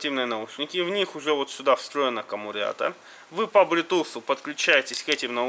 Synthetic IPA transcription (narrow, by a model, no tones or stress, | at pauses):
tʲivnɨjənɐuʂnʲɪkʲɪvnʲixʊʐɛvot̪sʲʊd̪afst̪ɾo̞jɪnəkəmʊɾʲa̰t̪ə̰ | vɨpɐbɾʲɪt̪usʊpət̪klʲʉt͡ɕæjɪtʲɪsʲkɛtʲɪmnɐu